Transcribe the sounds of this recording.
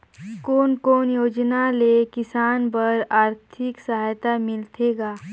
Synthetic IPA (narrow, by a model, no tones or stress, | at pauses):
koːnkoːnjoːd͡ʒnalekɪsaːnbəɾaːɾt̪ʰɪksəɦaːjt̪amɪlt̪ʰeːɡaː